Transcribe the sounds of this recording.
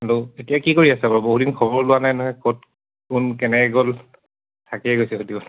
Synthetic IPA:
aɹuetijakikoɹiasɛbaɹboɦudinkʰɔbɔɹlʊwanajnɔkot̚ | kʊnkɛnɛɡol | tʰakɛɛɡojsɛxodibɔn

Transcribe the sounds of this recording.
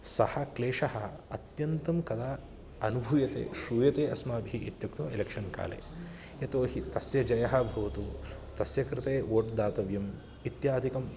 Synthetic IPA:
sɐhɐkleːʂɐɦɐ̆ɐ̰t̪jɐnt̪ɐmkɐd̪aː | ɐnubʱujɐt̪ḛːʃuːjɐt̪eːɐsmaːbiʔit̪jɐkt̪oːelekʂɐnka̰ːlḛː | et̪oːɦit̪ɐsjɐd͡ʒɐjɐɦɐbʱɐʋɐt̪u | t̪ɐsjɐkɾɪt̪eːoːʈd̪aːt̪ɐʋjɐm | it̪jaːd̪ʱikɐm

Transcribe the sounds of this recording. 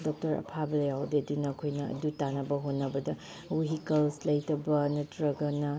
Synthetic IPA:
dɔk̚tɐɾɐ̰pʰabɐlɐjawdeɐdunɐkʰojnɐɐ̰dutanɐbɐɦonːɐbɐdɐ | uɦikɐlslɐjtɐbɐnɐtɾɐɡɐnɐ

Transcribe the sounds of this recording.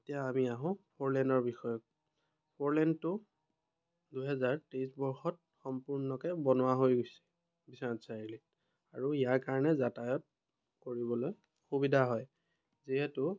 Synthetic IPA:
etijaːmiaɦʊ̃pʰoɹlɛndɔɹbixɔjɔk | pʰoɹlɛntʊ | duɦɛzaɹteisbɔɹxɔt̚xɔmpuɹnɔkɛbɔnʊwaɦojɡojsɛ̥ | bisaansaɹilit | aɹuijaɹkaɹɔnɛzatajɔt̚ | koɹiβɔloj | xubidʱaɦɔj | ziɦɛtʊ

